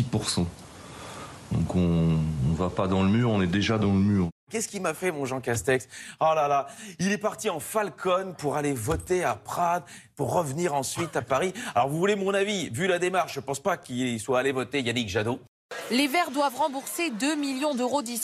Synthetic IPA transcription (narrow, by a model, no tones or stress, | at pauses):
ipuʁsɑ̃ | d̪ɔ̰̃kɔ̃ɔ̃vapad̪ɑ̃ləmyːʁɔ̃nɛd̪eʒad̪ɑ̃ləmyːʁ | kʲɛskʲilmafɛmɔ̃ʒɑ̃kast̪ɛksɔlalailɛpaʁt̪iɑ̃falkʰɔnpuʁalevɔt̪eapχad̪ | puʁːəvniʁɑ̃sɥit̪apaʁialɔʁvuvulemɔ̃navivylad̪emaʁʃʒəpɑ̃spakiswaːlevɔt̪ejanikʒad̪o | levɛʁd̪wavʁɑ̃buʁsed̪ømiljɔ̃d̪øʁod̪i